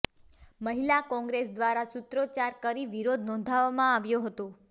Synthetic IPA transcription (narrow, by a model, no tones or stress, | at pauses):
məɦilakɔ̃ŋɡɾesd̪ʋaɾasut̪ɾot͡ʃaɾkəɾiʋiɾod̪ʱnɔ̃nd̪ʱaʋamãaʋjũɦət̪ũ